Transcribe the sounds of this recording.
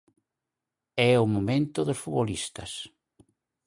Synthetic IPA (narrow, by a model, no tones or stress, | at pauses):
ɛʊmõmẽnt̪ʊðosfuβolist̪ɐs